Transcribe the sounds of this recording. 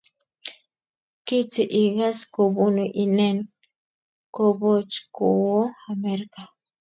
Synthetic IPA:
ki˦t͡si˨ʔiɣa˦sko˨bunuʔi˨ne˦n | ko˨bo˦t͡ʃku˨wo˦ameɾka˨

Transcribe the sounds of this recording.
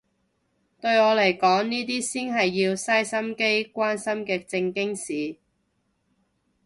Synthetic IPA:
t̪ɵ˧ɥɔː˨˧le˨˩jkɔː˨˥ŋniː˥t̪̬iː˥siː˥nɦɐ˨jːiː˧wsɐ˥jsɐ˥mke˥jkʷaː˥nsɐ˥mkɛː˧t͡sɪ˧ŋkɪ˥ŋsiː˨

